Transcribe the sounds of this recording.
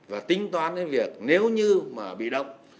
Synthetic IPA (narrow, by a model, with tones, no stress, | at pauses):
vaː˨˩t̪ï˧˦ŋ̟t̪waː˨˧˦nːe˨˦nvi˨˩ək̚ne˨˦wɲɨ˧maː˨˩ɓḭ˧˨ɗə˧˨wŋ͡m